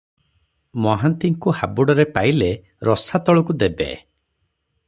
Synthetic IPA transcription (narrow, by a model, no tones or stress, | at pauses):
mɔɦant̪iŋkuhabuɽɔɾepajle | ɾɔsat̪ɔɭɔkud̪ebḛ